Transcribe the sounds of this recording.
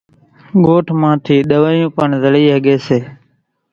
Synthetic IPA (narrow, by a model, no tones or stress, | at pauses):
ɠoːʈʰmãːt̪ʰiːɗəʋəːjũːpəɳzəɭiːɦəɠeːseː